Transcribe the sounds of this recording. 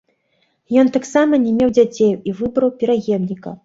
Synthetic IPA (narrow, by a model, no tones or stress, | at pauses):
jɔnt̪aksamɐnʲɛmʲewd͡zʲat͡sʲejuivɨbɾɐwpʲɛɾaɣʲɛmnʲikɐ̰